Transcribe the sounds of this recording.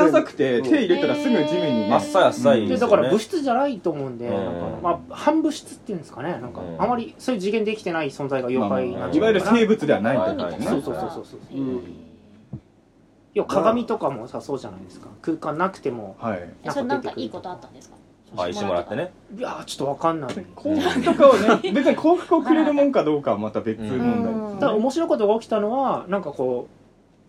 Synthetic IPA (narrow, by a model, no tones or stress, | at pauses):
asakɯ̟̥t̪e̞t̪ʰeːiɾɯt̪ːaɾasɨɡɯd͡ʑiɡɯɲ̟ːimasːajasːaid̪ed̪akaɾabɯ̟ɕi̥t͡sɨʑanait̪o̞ːmo̞ɯ̟̃nd̪e̞nãŋka̰mahãmbɯ̟ɕi̥t͡sɨ̥t̪ːeiɯ̃nd̪sɨ̥kanenãŋka̰amːaɾʲiso̞ːjɯd͡ʑiɡend̪ekʲi̥t̪e̞naisõnd͡zaiɡajo̞kainaiβajɯɾɯseːbɯ̟t͡sɨd̪e̞βanaineeso̞ːso̞ːso̞ːso̞ːsoːso | jokʰaɡamʲit̪o̞kamo̞saso̞ːʑanaid̪e̞sɨ̥kḁ̰kɯ̟ːkãnːakɯ̟̥t̪e̞mo̞hainad̪et̪ekɯ̟ɯkot̪oat̪ːãnd̪eskḁ | aiimoɾa̰t̪ːene | jat͡ɕo̥t̪ːo̞βakãnːaikʰoːhɯkɯt̪okaonebe̞t͡sɨɲikʰo̞ːɸɯ̟̥kɯ̟okɯ̟ɾeɾɯ̟mõ̞ŋkad̪o̞ːkamat̪abe̞t͡sɨmɯ̃nad̪aomo̞ɕiɾo̞ikot̪o̞ɡaokʲi̥t̪ano̞βanãŋkako̞ː